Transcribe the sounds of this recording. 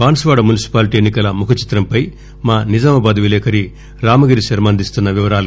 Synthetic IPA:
ʋaːnɐsʋaːɽɐmunisi̥paːliʈienːikɐlɐmukʰɐt͡ʃi̥t̪ɾɐmpɐj | maːnid͡ʒɐmɐbɐd̪ɐʋilɛːkʰɐɾi | ɾaːmɐɡiɾiʃɐɾmɐːnd̪ist̪unːɐʋiʋɐɾaːlu

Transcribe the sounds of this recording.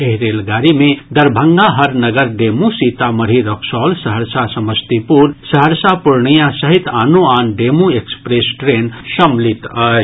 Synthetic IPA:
eɦɾeːlɡaːɾimẽd̪əɾbʱəŋɡaɦəɾnəɡəɾɖemusit̪aməɾ̤iɾɔksɔːlsəɦəɾsasəməst̪ipuɾsəɦəɾsapuɾɳəjãsəɦit̪aːnuaːnɖemũekspɾesʈɾeːnʃəmlit̪ə

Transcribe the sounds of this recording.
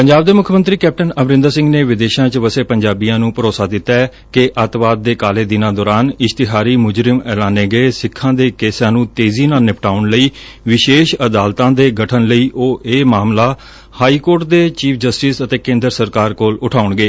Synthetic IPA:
pəɲd͡ʒaːbd̪eːmʊkʰjəmənt̪ɾiːkɛːp̚ʈənəmɾɪ̃nd̪asɪ̃ŋɡneːʋɪd̪eːʃãːt͡ʃʋəseːpəɲd͡ʒaːbijãːnũːpəɾoːsaːd̪ɪt̪ːa | keʔət̪ʋaːd̪̚ːeːkaːleːd̪ɪnãːd̪ɔːɾaːnɪst̪ɪɦaːɾiːmʊd͡ʒɾɪmɛːlaːneːɡeesɪkʰːãːd̪eːkeːsãːnũːt̪eːziːnaːnɪpʰʈaːʊnləiː | ʋɪʃeːʃəd̪aːlt̪ãːd̪eːɡəʈʰənləiːʔoːeːmaːmlaː | haːiːkoːɾʈ̚d̪eːt͡ʃiːpʰd͡ʒəsʈisət̪eːkẽːnd̪əɾsəɾkaːɾkoːlʊʈʰaːʊɳɡeː

